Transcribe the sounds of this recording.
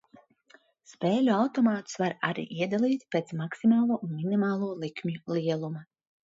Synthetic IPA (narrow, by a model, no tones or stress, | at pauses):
speːlʲuawt̪ɔmaːt̪u̥svaɾa̰ɾḭːʔiɛd̪alˠiːt̪ʲpet̪smaksimaːlˠuɔʔunminimaːlˠuɔlˠikmʲjuliɛlˠuma